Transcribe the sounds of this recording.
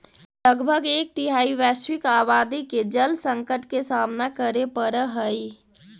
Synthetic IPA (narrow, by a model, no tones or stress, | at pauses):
ləɡbʱəɡeːk̚t̪iɦaiʋɛswɪkabaːd̪iked͡ʒəlsə̃ŋkəʈkesamnakəɾepəɾəɦəj